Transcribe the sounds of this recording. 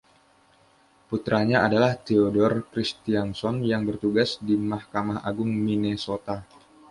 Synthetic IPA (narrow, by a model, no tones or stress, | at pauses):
put̪ɾaɲaadalaht̪eodɔrkɾist̪iansɔnjaŋbərt̪uɡasdimahkamaha̰ɡʊŋminesot̪a